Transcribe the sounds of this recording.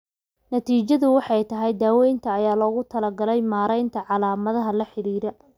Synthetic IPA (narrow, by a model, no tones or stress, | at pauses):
nɐt̪ʰiːt͡ʃɐðʊwɑħɑjt̪ʰɐɦɛjd̪aːwɛjnt̪ʰɐːjaːlɔːɣʊt̪ʰɐlɐɡɐlɛjmaːɾɛjnt̪ʰɐʕɑlaːmɐðɐɦɐlɐħɪɾiːɾɐ